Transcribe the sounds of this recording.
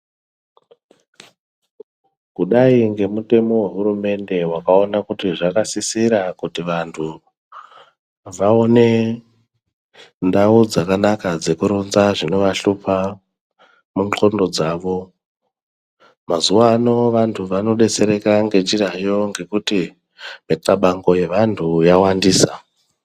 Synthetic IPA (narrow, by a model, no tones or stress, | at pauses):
kuɗaiŋɡe̞mute̞mo̞we̞ɦuɾume̞nde̞wakao̞nakutiʐakasisiɾakutiʋantʰu | ʋao̞ne̞ | ndaud͡zakanakad͡ze̞kuɾunzaʐino̞ʋaɬupʰa | mut͡ɬo̞ndo̞d͡zaʋo̞ | mazuwano̞ʋantʰuʋano̞ɗe̞t͡se̞ɾe̞kaŋɡe̞t͡ʃirajo̞ŋɡe̞kuti | etaɓaŋɡoje̞ʋantʰujawandiːsa